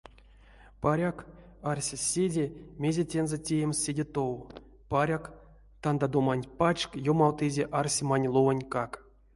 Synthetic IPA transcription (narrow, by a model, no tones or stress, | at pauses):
paɾʲak | arsʲesʲedʲemʲezʲetʲenzetʲejemʲsʲːedʲet̪ow | paɾʲak | t̪and̪ad̪omanʲpat͡ʃkjomɑwt̪ɨzʲeʔarsʲemanʲlˠovənʲkak